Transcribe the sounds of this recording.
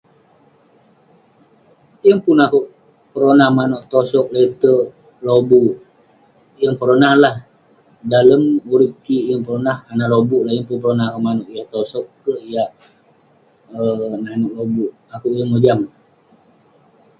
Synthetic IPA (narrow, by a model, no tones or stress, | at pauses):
jəŋpunakuʔ | pəɾonahmanoʔt̪osɔk̚let̪ə | lobuʔ | jəŋpəɾonahlah | daləmuɾip̚kijəŋpəɾonahanaʔlobuʔlahjəŋpunpəɾonahkəʔmanoʔijaht̪osɔkːəijaʔ | ənanoʔlobuʔ | akuʔjəŋod͡ʒam